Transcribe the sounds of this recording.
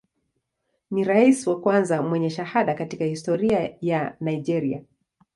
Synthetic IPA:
niɾaisiwakwanzamwɛɲɛʃahaɗakatikahistɔɾiajanaid͡ʒɛɾia̰

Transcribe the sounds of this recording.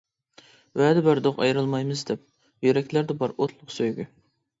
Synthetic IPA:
wɛd̪ɛbæɾd̪oqɑ̰jɾɨlˠmɑjmɨzd̪ɛp̚ | jyɾɛkʲlæɾd̪ɛbɑɾot̪ʰlˠʊqsøjɡʲy̰

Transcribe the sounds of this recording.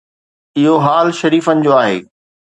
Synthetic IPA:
ɪɦoɦaːlʃɐɾiːfənɪ̆d͡ʑoːaːɦḛː

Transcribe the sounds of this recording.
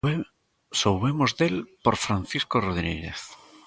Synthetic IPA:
sowβemozðelpoɾfɾan̟θiskoroðinḭɾḛθ

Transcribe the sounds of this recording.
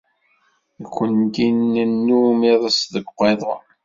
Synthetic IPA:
ikʷːənt̪inːənːumiðˤəsðəɡqeðˤɑ

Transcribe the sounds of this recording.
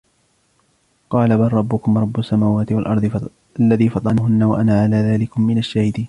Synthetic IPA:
qɑːlabalˤːɑbːʊkʊmɾˤɑbːʊsːamaːwaːt̪ɪwalʔɑɾˤd̪ˤɨ | alːaðiːfɑt̪ˤɑnɦʊnːawaʔanaʕalaːðaːlɪkʊmːɪnaʃːaːhɪd̪iːn

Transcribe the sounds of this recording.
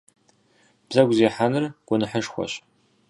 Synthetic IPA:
b̥zɐɡʷzeːħanɨrɡ̥ʷʊnɨħəʂxʷɔ̰ɕ

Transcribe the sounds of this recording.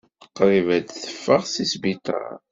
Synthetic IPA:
qɾˤivæd̪θə̥fːəʁsisbit̪ˤɑ̰ɾ

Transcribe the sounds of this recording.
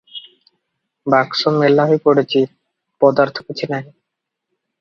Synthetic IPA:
baksomelːaɦoepoɽet͡ɕʰi | pɔd̪aɾt̪ʰo̥kot͡ɕʰinaɦi

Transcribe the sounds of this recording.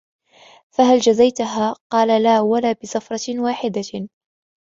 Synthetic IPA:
faɦald͡ʒazajt̪ʊɦaːqɑːlalaːwalaːbɪsafɾˤɑwaːħɪd̪a

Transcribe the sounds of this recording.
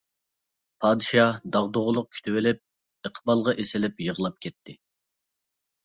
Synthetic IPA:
pʰɑːd̪ɨʃɑd̪ɑʁd̪oʁʊlˠʊq̚kʲʰy̥t̪ʰywɪlɪp̚ | əqʰbɑlˠʁɑʔesɪlɪpjəʁəlˠɑp̚kʲʰɛt̪ʰːɪ

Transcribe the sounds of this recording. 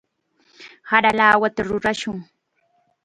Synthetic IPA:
haɾalaːwat̪aɾʊɾaʃʊŋ

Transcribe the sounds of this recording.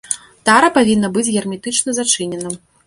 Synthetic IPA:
t̪aɾɐpavʲinːɐbɨd͡zʲɣʲɛrmʲit̪ɨt͡ʂnɐzat͡ʂɨnʲɛnɐ

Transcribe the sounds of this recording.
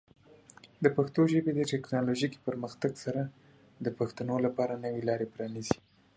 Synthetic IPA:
d̪əpaxt̪oʒəbed̪əʈɛknɑloʒiki̥pəɾməxt̪aɡsaɾa | d̪əpaxt̪anolapɑɾanəwelɑɾepɾɑnizi̥

